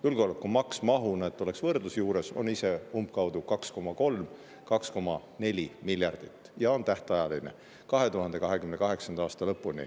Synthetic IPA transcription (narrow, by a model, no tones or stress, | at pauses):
julɡolekːˑumɑksmɑɦunɑet̪ːˑo̞leksvɤrd̪lusjuːɾe̞so̞̰nise̞ump̚kɑwd̪̥ukɑksko̞mɑko̞lm | kɑksko̞mɑ | ne̞lʲimilʲjɑrd̪̥it̪ːˑjɑo̞nt̪æht̪ɑjɑline | kɑɦe̞t̪uɦɑnd̪̥e̞kɑɦe̞kymnekɑɦe̞ksɑnd̪ɑɑːst̪ɑlɤpːˑunḭ